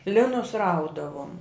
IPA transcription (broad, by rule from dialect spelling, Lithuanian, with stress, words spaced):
ˈlʲɪnʊs ˈrɐʊdɐʋoːm